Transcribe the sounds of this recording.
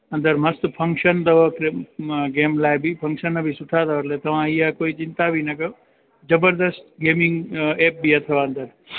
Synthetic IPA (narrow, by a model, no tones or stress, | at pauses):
ɐ̃nd̪əɾməst̪pʰəŋkʃənd̪ɐʋəkɾeɡeːmlajbipʰə̃ŋkʃənːəbʱisuʈʰad̪əʋəɾlet̪ɐʋãijakoːit͡ʃɪ̃nt̪abʱinɐkɐ | d͡ʒəbəɾd̪əst̪ɡemiŋɡep̚biət̪ʰəʋaənd̪əɾ